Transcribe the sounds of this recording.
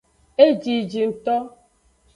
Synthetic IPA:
e˦d͡ʒi˨d͡ʒi˨n̩˨tɔ˦

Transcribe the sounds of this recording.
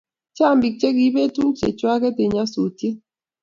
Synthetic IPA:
t͡ʃa˦˨mbi˨k̚t͡ʃe˦ɡi˨˦be˦tu˦ŋt͡ʃe˨t͡ʃwa˦kɛ˦te˨ɲa˦so˨te˦

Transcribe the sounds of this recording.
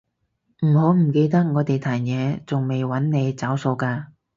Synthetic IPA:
m̩˨˩ho˨˥wm̩˨˩ke˧jt̪̬ɐ˥k̚ŋɔː˨˧t̪e˨jt̪ʰaː˨˩ŋjɛː˨˧t͡sʊ˨ŋme˨jwɐ˨˥nne˨˧jt͡sɐ˨˥wso˨˧wkaː˧

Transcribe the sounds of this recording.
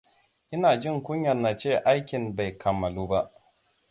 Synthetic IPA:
ʔɪ˦naː˨d͡ʒɪ˦˨ŋkʷʊ˦ɲjɐ˨na˨t͡ʃeː˦˨ʔa˦jkʲɪ˨mba˨jkʰɐ˨mːɐ˨luː˦ba˦ʔ

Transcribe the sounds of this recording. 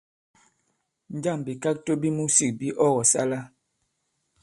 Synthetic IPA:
n˦d͡ʒa˦˨mbi˨ka˦k̚to˦bi˦mu˦si˨k̚bi˦ʔɔ˦ɣɔ˨sa̰˦la˦

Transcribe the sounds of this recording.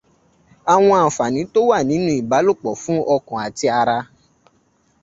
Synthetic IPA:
a˨w̃ɔ̃˧a˨fa˨nĩ˨˦to˦wa˦˨nĩ˨˦nũ˦i˦˨ba˨˦lo˦˨k͡pɔ˨fũ˦ʔɔ˧kɔ̃˨a˨ti˧a˧ɾa˧

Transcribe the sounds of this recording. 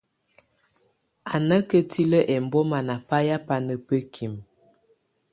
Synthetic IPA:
a˨nə˦kə˦tʰi˦lə˦ʔɛ˨m̩˨bɔ˦ma˨na˨pa˦ja˦pa˨nə˨pə˦kʰi˨m

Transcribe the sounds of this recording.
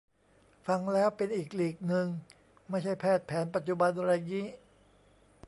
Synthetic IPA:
fa˧ŋlɛː˦˥wpe˧nʔiː˨˩k̚liː˨˩k̚nɯ˧ŋ | ma˥˩jt͡ɕʰa˥˩jpʰɛː˥˩t̪̚pʰɛː˩˦npa˨˩t̪̚t͡ɕu˨˩ba˧nɾa˧jji˦˥

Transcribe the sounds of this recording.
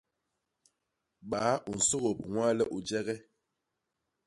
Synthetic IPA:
ɓa˨˦u˨n̩˨so˦ɣo˨p̚ŋwa˦lə˦ʔu˨d͡ʒɛ˦ɣɛ˦

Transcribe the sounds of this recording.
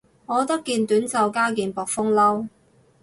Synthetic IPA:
ŋɔː˨˧t̪ɐ˥kːiː˧nt̪yː˨˥nt͡sɐ˨˧wkaː˥kiː˨npɔː˨k̚fʊ˥ŋlɐ˥w

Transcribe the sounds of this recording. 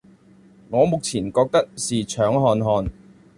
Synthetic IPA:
ŋɔː˨˧mʊ˨k̚t͡sʰiː˨˩nkɔː˧k̚t̪ɐ˥k̚siː˨˩t͡ʃʰœː˨˥ŋɦɔː˧nɦɔː˨˧n

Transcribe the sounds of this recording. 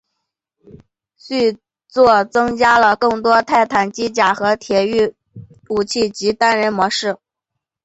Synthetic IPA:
ɕy˥˧ | t͡swɔ˥˩t͡sɤ˥ŋt͡ɕja˥lə˨kɤ˥˩ŋt̪wɔ˥t̪ʰa˥˩ɪt̪ʰa˨˩nt͡ɕi˥t͡ɕja˨˩xɤ˧˥t̪ʰjɛ˨˩˥y˥˩ | u˨˩t͡ɕʰi˥˩t͡ɕi˧˥t̪a˥nɻə˧˥nmwɔ˧˥ʂɻ̩˥˩

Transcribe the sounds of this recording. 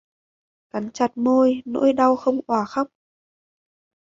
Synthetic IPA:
ka˨˦nt͡ɕa˨˩t̚mo˧jno̰˧˥jɗa˧wxə˧wŋ͡mʔwaː˧˩xa˦˥k͡p̚

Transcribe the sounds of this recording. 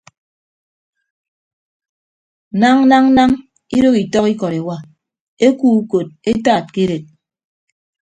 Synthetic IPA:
na˦ŋ˦na˦ŋ˦na˦ŋ | i˦ɾo˦ki˨tɔ˦ki˦kɔ˨ɾe˨wa˦ | e˦kuː˦u˦ko˨t̚e˦ta˦˨t̚ke˦ɾe˨t̚

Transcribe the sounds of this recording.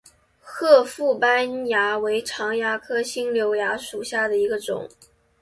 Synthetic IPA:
xɤ˥˧fu˥˩pa˥nja˧˥we˧˥ɪʈ͡ʂʰɑ˧˥ŋja˧˥kʰɤ˥ɕi˥ŋljo˧˥ʊja˧˥ʂu˨˩ɕja˥˩d̪ə˩i˧˥ɡə˧ʈ͡ʂʊ̰˨˩˦ŋ

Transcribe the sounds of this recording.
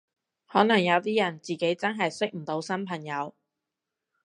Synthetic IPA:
hɔː˨˥nɐ˨˩ŋjɐ˨˧wt̪iː˥jɐ˨˩nt͡siː˨ke˨˥jt͡sɐ˥nɦɐ˨jsɪ˥k̚m̩˨˩t̪o˨˧˥wsɐ˥npʰɐ˨˩ŋjɐ˨˧w

